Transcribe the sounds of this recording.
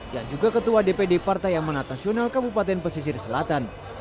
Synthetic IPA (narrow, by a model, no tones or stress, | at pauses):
ja̰ŋd͡ʒuɡakət̪uadepedepart̪ajamanat̪nasionalkabupat̪ɛnpəsis̬iɾisəlat̪an